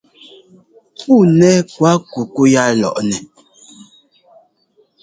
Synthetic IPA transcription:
pu˦˨nɛ˦kwa˦ku˨ku˦ja˦lɔ̰˨ʔnɛ˨

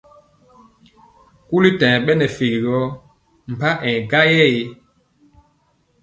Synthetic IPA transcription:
ku˦li˦tɛ̃˨ɓɛ˦nɛ˨fi˨ɡi˨ɡɔ˦ | m̩˨pa˦ʔɛ̃˨ɡa˦jɛ˦˨je˦

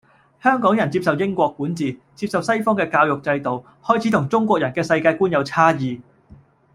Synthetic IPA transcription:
hœː˥ŋkɔː˨˥ŋjɐ˨˩nt͡siː˧p̚sɐ˨wjɪ˥ŋkʷɔː˧kːuː˨˥nt͡siː˨t͡siː˧p̚sɐ˨wsɐ˥jfɔː˥ŋkɛː˧kaː˧wjʊ˨k̚t͡sɐ˧jt̪o˨w | hɔː˥jt͡sʰi˨˥t̪ʰʊ˨˩ŋt͡sʊ˥ŋkʷɔː˧k̚jɐ˨˩nkɛː˧sɐ˧jkaː˧jkuː˥njɐ˨˧wt͡sʰaː˥jiː˨

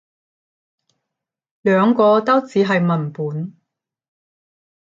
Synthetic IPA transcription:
lœː˨˧ŋkɔː˧t̪ɐ˥wt͡siː˨˧ɦɐ˨jmɐ˨˩npuː˨˥n

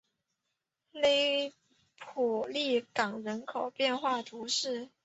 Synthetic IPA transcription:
le˥ɪ | pʰu˨˩li˥˩kɑ˨˩ŋɻə˧˥nkʰo˨˩ʊpjɛ˥˧nxwa˥˩t̪ʰu˧˥ʂɻ̩˥˩

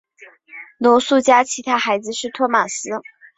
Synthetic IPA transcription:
lɔ˧˥ʊsu˥˩t͡ɕja˥t͡ɕʰi˧˥t̪ʰa˥xa˧˥ɪd͡zɹ̩˧ʂɻ̩˥˩t̪ʰwɔ˥ma˨˩sɹ̩˥

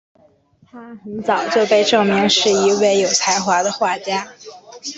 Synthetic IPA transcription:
t̪ʰa˥xə˧˥nt͡sɑ˨˩˦ʊt͡ɕjo˥˧ʊpe˥˧ɪʈ͡ʂɤ˥˩ŋmi˧˥ŋʂɻ̩˥˩i˧˥we˥˩ɪjo˨˩ʊt͡sʰa˧˥ɪxwa˧˥d̪ə˧xwa˥˩t͡ɕja˥

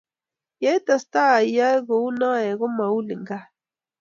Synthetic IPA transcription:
ja˦i˦t̪a˨st̪a˦˨i˨ja˦ɣo˨u˦nã˦e˨ɣo˦ma˨u˦li˨ŋɡa˦

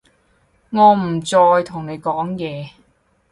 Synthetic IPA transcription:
ŋɔː˨˧m̩˨˩t͡sɔː˧jt̪ʰʊ˨˩ŋne˨˧jkɔː˨˥ŋjɛː˨˧

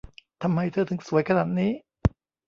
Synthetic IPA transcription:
t̪ʰa˧mːa˧jt̪ʰɤː˧˩t̪ʰɯ˩˦ŋsu˩˦əjkʰa˧naː˨˩t̪̚niː˦˥

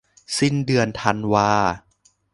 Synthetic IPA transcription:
si˥˩ndɯ˧ənt̪ʰa˧nwaː˧

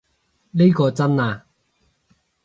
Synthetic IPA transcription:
ne˥jkɔː˧t͡sɐ˥naː˧

